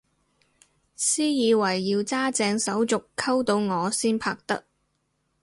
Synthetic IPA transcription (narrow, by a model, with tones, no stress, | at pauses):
siː˥jiː˨˧wɐ˨˩jːiː˧wt͡saː˥t͡sɛː˧ŋsɐ˨˥wt͡sʊ˨kʰɐ˥wt̪o˧wŋɔː˨˧siː˥npʰaː˧k̚t̪ɐ̰˥k̚